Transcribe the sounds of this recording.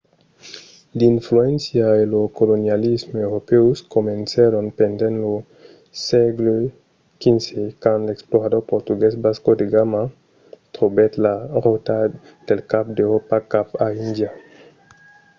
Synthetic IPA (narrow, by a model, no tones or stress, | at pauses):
linfluensjaelokolonjalizmoewɾopeuskomenseɾonpend̪ẽnlo | sɛɡlo | kinsekãnleksploɾad̪oɾpoɾt̪uɡesbaskod̪eɡama | t̪ʁobɛt̪laʁot̪a | d̪̥elkap̚d̪eɾopakapaind̪ja